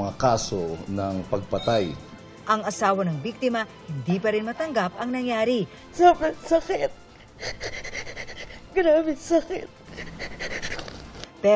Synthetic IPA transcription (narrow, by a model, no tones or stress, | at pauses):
ŋakaːsonɐŋpɐɡ̚pɐt̪aj | ʔɐŋɐsaːwɐnɐŋbik̚t̪ɪmɐhɪnd̪iːpɐɾɪnmɐt̪ɐŋɡapɐŋnɐŋjaːɾi | sɐkɪt̪sɐkɪt̪̚ | ɡɾaːbɪsɐkɪ̰t̪̚ | pɛ